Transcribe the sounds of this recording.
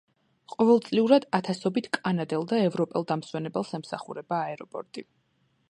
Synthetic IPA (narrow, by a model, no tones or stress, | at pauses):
qʼɔvɛlˠt̪sʼliuɾad̪at̪ʰasɔbit̪ʰkʼanad̪ɛlˠd̪aɛvɾɔpʼɛlˠd̪amswɛnɛbɛlˠsɛmsaχṵɾɛbaːɛɾɔpʼɔ̰ɾt̪ʼi